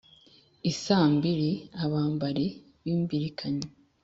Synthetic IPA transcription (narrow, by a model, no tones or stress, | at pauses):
isaːmbiɾiaβaːmbaɾe | βiːmbiɾikʰaɲe